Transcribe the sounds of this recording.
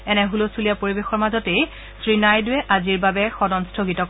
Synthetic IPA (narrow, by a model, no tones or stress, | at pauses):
ɛnɛɦulosulijapoɹibexɔɹmazɔtej | sɹinajdʊɛʔaziɹbabɛxɔdɔnstʰoɡitɔk